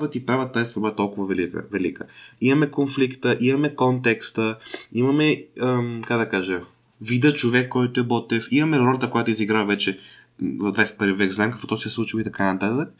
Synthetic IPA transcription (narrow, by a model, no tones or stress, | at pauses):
vət̪ipɾavət̪aɛst̪obɔɛt̪ɔlˠkʊvɐvɛlikə̰vɛlikəimɐmɛkonflikt̪əʔimɐmɛkɔnt̪ɛkst̪əimɐmɛəkaɡd̪ɐkaʒe | vid̪ət͡ʃovɛkːɔjt̪oɛbɔt̪ɛfimɐmɛɾɔlʲɐt̪əkojat̪oiziɡɾavvɛt͡ʃɛ | zd̪vasɛpəɾvivɛkznamkɐkvɔt̪ɔjsɛslˠut͡ʃilˠit̪ɐkanɐt̪at̪ək